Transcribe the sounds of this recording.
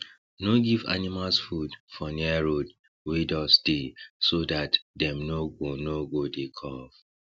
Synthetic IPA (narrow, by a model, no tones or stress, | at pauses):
noɡiva̰nimalsfudfɔniɛɹod | widɔsdesodatdɛ̃mnoɡonoɡodekʰɔf